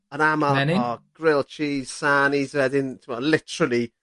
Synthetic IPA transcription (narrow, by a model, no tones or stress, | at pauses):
ənamaɛnɪɔɡ̥ɾɪlˠt͡ʃʰiːz̥sanizwɛdɪntʰɪmɔdlɪtʰəɾəlˠi